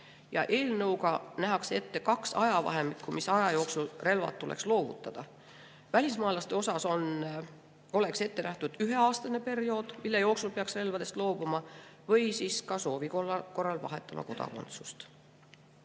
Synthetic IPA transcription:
jɑʔe̞ːlnɤwkɑnæɦɑkse̞t̪ːe̞kɑksɑjɑvɑ̰ɦe̞mikkːumisɑjɑjo̞ːksulre̞lvɑ̰t̪t̪ːulḛkslo̞ːvṵt̪ːˑɑd̪̥ɑ | vælʲismɑːlɑst̪e̞o̞sɑso̞n | o̞le̞kse̞t̪ːe̞næht̪ud̪̥yɦe̞ɑːst̪ɑne̞pe̞rjo̞ːd̪̥milːejo̞ːksulpeɑksre̞lvɑd̪e̞st̪lo̞ːb̥umɑ | vɤjsiːskɑso̞ːvikolɑko̞rːɑlvɑ̰ɦe̞t̪ːˑɑmɑ̰ko̞d̪ɑ̰ko̞̰nt̪su̥st̪

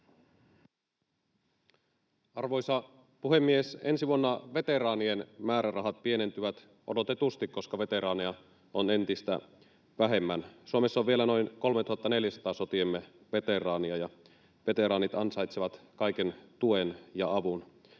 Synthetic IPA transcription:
ɑrʋo̞jsɑ | puhemːiesensiʋuonːɑʋe̞t̪e̞rɑːnienmæːɾærɑɦɑt̪̚pie̞ne̞nt̪yʋæt̪ | ʔo̞̰do̞t̪et̪ust̪ikkːo̞skɑʋe̞t̪e̞ɾɑːniɑ | one̞nt̪ist̪æ̰ | ʋæɦe̞mːænsuomesːoʋʋielæno̞jnko̞lmet̪uhɑt̪ːɑne̞ljæsɑ̥t̪ɑːso̞t̪iemːe | ʋe̞t̪e̞rɑːniɑjɑ | ʋe̞t̪e̞ɾɑːnit̪ɑnsɑjt̪seʋɑt̪kɑjke̞nt̪ue̞njɑɑʋun

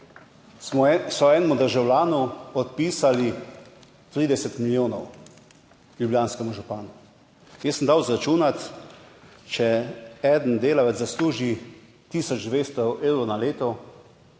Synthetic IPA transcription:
ɔsɔɛːnɛmud̪əɾʒawlaːnuɔt̪̚piːsali | t̪ɾiːd̪ɛsɛt̪miljoːnɔw | ljubljaːnskɛmuʒupaːnu | jəsːənd̪aːwzɾat͡ʃuːnat̪ | t͡ʃɛɛd̪nd̪eːlaʋɛzzasluːʒi | t̪iːsɔd͡ʒd̪ʋeːst̪ɔeːwɾɔwnaleːt̪ɔ

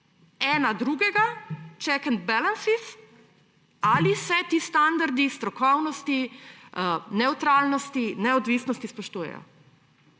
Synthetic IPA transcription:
ɛːnad̪ɾuːɡɛɡat͡ʃɛkənt̪̚bɛlansis | alisɛt̪iːst̪and̪aɾd̪ist̪ɾɔkɔwnɔst̪i | nɛwt̪ɾalnɔst̪inɛɔd̪ʋiːsnɔst̪ispɔʃt̪uːjɛ̰jɔ̰

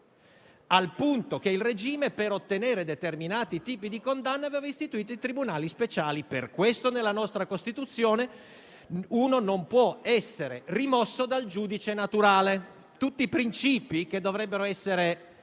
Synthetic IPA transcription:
alpunt̪ok̟eilred͡ʒiːmepeɾot̪ːeneːɾed̪et̪erminaːt̪it̪iːpid̪ikond̪anːaveːvaist̪it̪uiːt̪oit̪ɾibunaːlispet͡ʃaːliperkwest̪onelːanɔst̪ɾakost̪it̪ut̪sːjoːne | uːnonompwɔɛsːeɾerimɔsːod̪ald͡ʒuːd̪it͡ʃenat̪uɾaːle | t̪ut̪ːiːpɾint͡ʃiːpik̟ed̪ːovɾɛbːeɾoɛsːeɾe

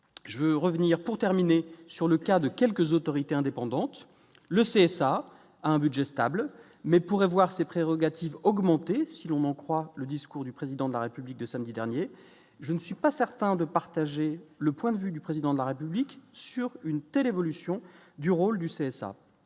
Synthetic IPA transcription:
ʒəvøʁəvniʁpuʁt̪ɛʁminesyʁləkad̪əkʲɛlkəzot̪ɔʁit̪eɛ̃d̪epɑ̃d̪ɑ̃t̪ | ləseɛsa | aɛ̃bydʒɛst̪abl | mɛpuʁɛvwaʁsepχeʁɔɡat̪ivɔɡmɑ̃t̪esilɔ̃nɑ̃kχwaləd̪iskuʁd̪ypχezid̪ɑ̃d̪əlaʁepyblik̚d̪əsamd̪id̪ɛʁnje | ʒənəsɥipasɛʁt̪ɛ̃d̪əpaʁt̪aʒeləpwɛ̃d̪əvyd̪ypχezid̪ɑ̃d̪əlaʁepybliksyʁynt̪ɛlevɔlysjɔ̃d̪yʁold̪yseɛsa̰

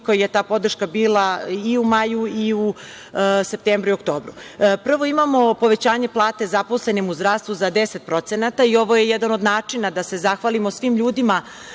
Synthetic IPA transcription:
kojjet̪aːpo̞d̪r̩ʃkabiːlˠaiumajuiu | se̞p̚t̪eːmbɾuiokt̪o̞ːbɾupr̩ʋo̞imamo̞po̞ʋe̞t͡ɕaːɲe̞plˠaːt̪e̞zapo̞sle̞nimuzd̪ɾaːst̪ʋuzad̪eset̪̚pɾo̞t̪se̞nat̪aio̞ʋo̞je̞jɛd̪anod̪naːt͡ʂinad̪ase̞zaxʋalimo̞sʋiːmʎuːd̪ima

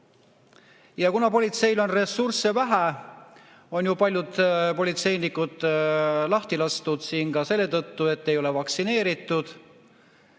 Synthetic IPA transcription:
jɑkunɑpo̞lʲit̪se̞jlo̞nre̞surse̞væɦæ | o̞njupɑlʲjud̪̥po̞lʲit̪se̞jnikːˑud̪̥lɑht̪ilɑst̪ud̪̥siːnɡɑse̞lːe̞t̪ɤt̪ːue̞t̪ːe̞jo̞levɑksine̞ːɾit̪ːˑud̪̥

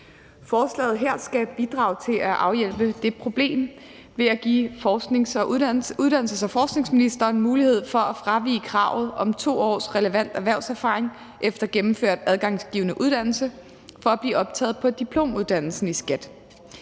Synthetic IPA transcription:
fɒːslɛ̰ɪð̞̩ˠɦeɐ̰sɡ̥æb̥id̥ʁɑ̈ʊt͡sʰe̝læʔɑ̈ʊjel̰b̥əd̥e̝pʰʁo̝b̥le̝̰ːm | ʋe̝æɡ̥ḭːfɒseŋsɒ̽ʔuðˠd̥æn̰l̩səsɒ̽fɒːsɡ̥ne̝ŋsminisd̥ɐːnmuːlihe̝ð̞̰ˠfɒ̽æfʁɑ̈ʋḭːkʰʁɑ̰̈ʊ̰ð̩ˠʔɒ̽mt͡sʰo̝̰ːɒ̰ːsʁɛləʋæn̰d̥æʋæɐʊsæɐfɑ̰̈ːʁeŋ | ʔefd̥ɐɡ̥emm̩føɐ̰d̥æð̞ˠɡ̥ɑ̈ŋsɡ̥ḭːʊənəʔuð̞ˠd̥æn̰l̩sə | fɒ̽æb̥liːɒ̽b̥̚t͡sʰɛːð̩ˠpʰɒ̽d̥ipʰlo̝̰ːmuð̞ˠd̥æn̰l̩sn̩isɡ̥æd̥

